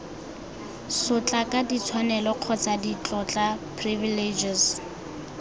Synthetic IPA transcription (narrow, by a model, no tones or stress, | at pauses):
sʊt͡ɬʼakʼadit͡sʰwanɛlɔq͡χʰɔt͡sʼadit͡ɬʼɔt͡ɬʼapʰriviled͡ʒɪs